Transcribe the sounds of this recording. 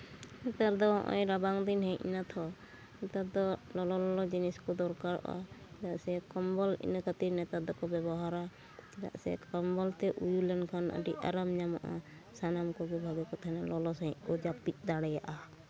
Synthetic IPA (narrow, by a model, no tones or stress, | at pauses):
nɛt̪aɾd̪ɔɦɔ̰̃ʔɔ̰jɾabaŋd̪inɦɛ̃ʔnat̪ʰɔ | nɛt̪at̪̚d̪ɔlɔlɔlɔlɔd͡ʒiniskɔd̪ɔɾkaɾɔ̰ʔa̰kdaʔsɛkɔmbɔlḭnəkət̪iɾnɛt̪at̪̚d̪ɔkɔbɛbɔɦaɾa | da̰ʔsɛ̰kɔmbɔlt̪ɛʔujulɛnkʰanə̰ɖia̰ɾamɲamaʔa̰ | sanamkɔɡɛbʱaɡɛkɔt̪ʰanalɔlɔsãiʔ̚kɔd͡ʒapit̪̚ˀd̪aɽɛja̰ʔa